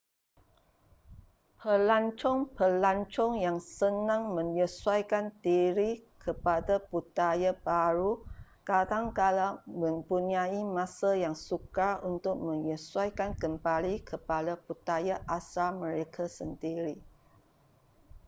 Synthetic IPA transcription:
pʰəlaɲt͡ʃɔŋpəlaɲt͡ʃɔŋjaŋsənãŋmə̃ŋjəsuajkant̪iɾikʰəpadaput̪ajabaɾukadaŋkalamə̃mpuniaimãsajaŋsukaunt̪ʊk̚mə̃ŋjəswajkankəmbalikʰəpadaput̪ajaʔasalmə̃ɾekʰasənd̪iɾi

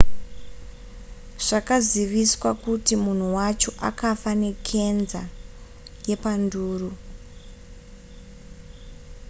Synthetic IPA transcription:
ʐ̥akaziʋiswakutimun̤uwat͡ʃo̞ʔa̰kafane̞kʰe̞nza̰ | je̞panduːru

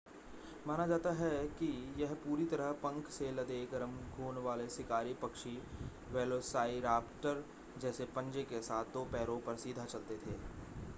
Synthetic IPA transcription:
maːnad͡ʒaːt̪aɦɛkijɛɦpuːɾit̪ɐɾəɦpɐ̃ŋkselɐd̪eːɡəɾəmɡʱuːnʋaːlesɪkaːɾipɐkʃi | ʋeːloːsaːiɾaːpʈəɾ | d͡ʒɛːsepɐ̃ɲd͡ʒekesaːt̪ʰːoːpɛːɾõpɐɾsiːd̪ʱat͡ʃɐlt̪et̪ʰeː

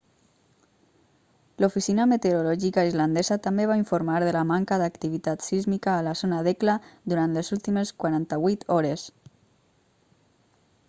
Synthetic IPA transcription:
lufisinamət̪eɾulɔʒikaizland̪ezat̪ambeβ̞aiɱfuɾmaɾðəlamaŋkaðakt̪iβit̪at̪sizmikaːlazonaðeklad̪uɾant̪lezulˠt̪imeskwaɾant̪aβwit̪ɔɾes

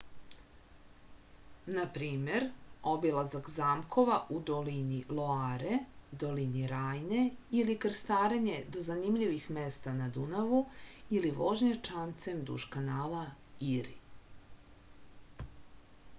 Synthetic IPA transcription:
napɾiːmeɾobilˠazakzaːmkʰo̞ʋaʔud̪oliniloaːɾed̪o̞liniɾaːjne̞ilikr̩st̪aːɾeɲe̞d̪o̞zanimʎiʋixmest̪anad̪unaʋuiliʋoʒɲat͡ʃant̪semd̪ṵʃkanaːlaiɾḭ

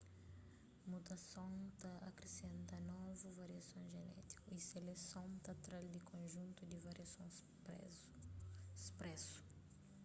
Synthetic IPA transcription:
mut̪asõw̃t̪aakɾesẽnt̪ɐnɔvuvaɾiasõw̃ʒenɛ̰t̪i̥kuiselesõt̪at̪ɾald̪ɪkʰõʒũnt̪ud̪ɪvaɾiasõw | spɾɛsu̥

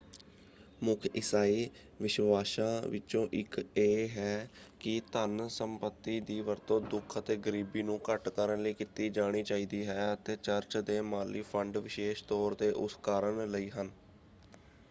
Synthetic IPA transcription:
mʊkʰɪsaːiː | ʋɪʃʋaːʃãːʋɪt͡ʃõːʔɪkeːɦɛːkɪt̪ənsəmpət̪ːiːd̪iːʋəɾt̪õːd̪ʊkʰət̪eːɡəɾiːbiːnũːkəʈkəɾənləiːkɪt̪iːd͡ʒaːɽ̃iːt͡ʃaːiːd̪iːɦɛːət̪eːt͡ʃəɾt͡ʃd̪eːmaːlipʰəɳɖʋɪʃeːʃt̪ɔːɾd̪eːʔʊ̰skaːɾəɳləiːɦən

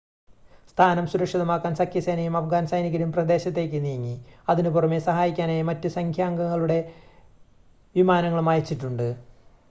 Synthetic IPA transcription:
st̪ʰaːnɐmsuɾɐkʂɐðɐmaːkːaːnsɐkʰjɐsɐjnɐjumɐfɡaːnsɐjniɣɐɾumprɐd̪e̞ːɕɐt̪̬ːe̞ːk̬ʲːɨnijɐŋːiɐðinupurɐmesɐɦaːjikʲːaːnejmɐtːɨsɐŋkʰjaːŋɡɐŋːɐɭuɽe̞ | ʋimaːnɐŋːɐɭumaːjit͡ɕːiʈːuɳɖɨ

